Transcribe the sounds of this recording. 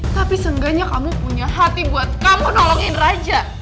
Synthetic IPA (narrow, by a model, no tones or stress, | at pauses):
t̪apisəŋɡaɲakamupuɲaɦat̪ibuat̪̚kamunɔlɔŋɪnrad͡ʒa